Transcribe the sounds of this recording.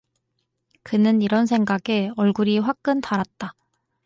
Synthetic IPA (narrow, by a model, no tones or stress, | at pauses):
kɯnɯniɾʌns̬ʰe̞ŋɡaɡe̞ʌɭɡuɾiɸwak̚k͈ɯntaɾat̚t͈a